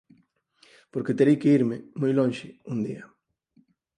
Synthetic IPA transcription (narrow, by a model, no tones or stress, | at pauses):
poɾket̪eɾejkeiɾmɪmojlõŋʃɪund̪ia